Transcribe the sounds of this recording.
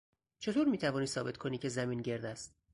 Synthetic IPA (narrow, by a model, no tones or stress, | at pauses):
t͡ʃʰe̞t̪oːɾmiːt̪ʰævɒːniːsɒːbe̞t̪ʰkʰo̞niːcʰe̞zæmiːnɟe̞ɾd̪æst̪